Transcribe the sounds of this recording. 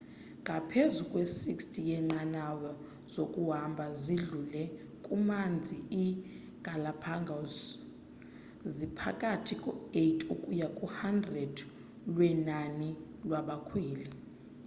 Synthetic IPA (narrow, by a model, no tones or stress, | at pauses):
ŋɡʱapʰezukʼwesikstʰʼijɛŋ͡ǃanawɔ | z̥okʼuɦambʱaziɮulɛ | kʼumand͡zʱii | ɡ̥ʱalapʰaŋɡʱas | zipʰakʼatʰikʼɔetʰʼukʼujakʼuhandrɛd | lwɛnani | lwaɓakʰweːli